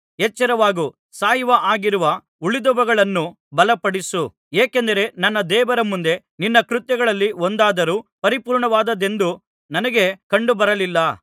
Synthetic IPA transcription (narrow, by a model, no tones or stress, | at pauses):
et͡ʃːɐɾɐʋaːɡu | saːjʋɐʔaːɡiɾuʋɐ | uɭid̪ɔʋɐɡɐɭɐnːu | bɐlɐpɐɽisu | eːke̞nd̪ɐɾe̞nɐnːɐd̪ɛːʋɐɾɐmund̪e̞ | ninːɐkɾut̪jɐɡɐɭɐlːiond̪aːd̪ɐɾuːpɐɾipuːɾɳɐʋaːd̪ɐd̪e̞nd̪u | nɐnɐɡe̞kɐɳɖubɐɾɐlilːɐ